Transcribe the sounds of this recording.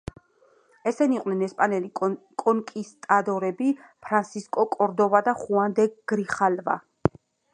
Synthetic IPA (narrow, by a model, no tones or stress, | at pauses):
ɛsɛniqʼwnɛnɛspʼanɛlikʼɔŋkʼist̪ʼad̪ɔɾɛbipʰɾansiskʼɔkʼɔɾd̪ɔvad̪aχuand̪ɛɡ̥ɾiχalva̰